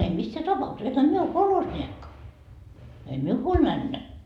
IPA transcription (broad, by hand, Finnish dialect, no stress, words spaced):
em misːæː tɑpɑukses ehæ mie o kolhosnʲiekːɑ ei miu huolʲ mænːæ